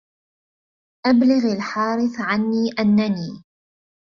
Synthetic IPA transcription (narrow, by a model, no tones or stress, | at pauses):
ʔablɪɣalħɑːɾɪθʕanːiːʔanːaniː